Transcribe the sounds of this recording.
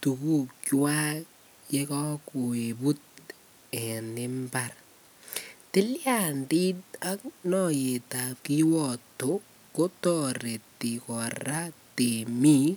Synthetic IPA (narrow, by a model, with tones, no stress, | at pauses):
tu˨ku˦kwa˦ | je˦kɔ˦ku˨e˨bu˦t̚ | ɛ˨nɪ˦mba˨r | tɪ˦lja˨ndi˦t̚a˦k̚nɔ˨je˨ta˨p̚ki˦wɔ˨to˦ | ko˦tɔ˨re˨ti˨kɔ˨ra˦te˨mi˦